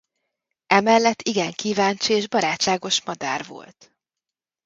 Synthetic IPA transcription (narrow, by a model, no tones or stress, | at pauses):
ʔɛmɛlːɛt̪ːiɡɛŋkiːvaːnt͡ʃieːʒbɒɾaːtʃaːɡo̞ʃmɒd̪a̰ːrvo̞̰lt̪